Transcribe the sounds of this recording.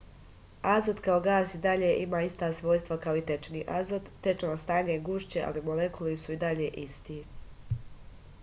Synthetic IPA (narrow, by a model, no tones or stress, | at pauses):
azod̪kaoɡaːsid̪aʎeːʔimaːist̪aːsʋo̞ːjst̪ʋakao̞it̪e̞t͡ʃniːʔazod̪ːe̞t͡ʃonast̪aːɲeɡuʃt͡ɕeʔa̰limolekulisuid̪aʎe̞ːʔist̪i